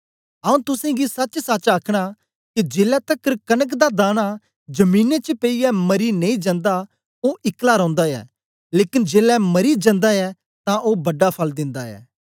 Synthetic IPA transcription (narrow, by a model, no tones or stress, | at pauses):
ɐũt̪ʊsɛ̃ɡisɐt͡ʃsat͡ʃaːkʰɽ̃a | kid͡ʒeːlɛt̪ɐkəɾkɐnək̬d̪ad̪aːña | d͡ʒɐmiːnet͡ʃəpeiɛmɐɾinẽĩd͡ʒɐ̃nd̪a | oʔɪklaɾɔ̃ːnd̪aɛ̰ː | leːkɪnd͡ʒeːlɛmɐɾid͡ʒɐ̃nd̪aɛ | t̪ãʔoːbɐɖːapʰɐld̪ɪ̃nd̪aɛ̰ː